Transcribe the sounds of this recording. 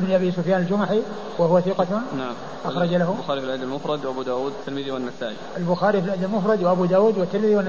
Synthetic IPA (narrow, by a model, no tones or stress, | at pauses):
bɪnʔabisʊfjaːnɪld͡ʒʊmaħi | wɪhʊwaθiqɑt̪naʕm | ʔɑxɾˤɑd͡ʒalaɦʊbʊxaːɾifɪlɪd̪ːalmʊfɾˤɑd̪wʔabud̪aːwuːd̪̚t̪ːɪlmɪðiwɪnːasaːʔiʔalbʊxaːɾifilʔɪd̪ːalmʊfɾˤɑd̪wɪʔabud̪aːwuːd̪wɪt̪ːɪlmɪðiwɪnː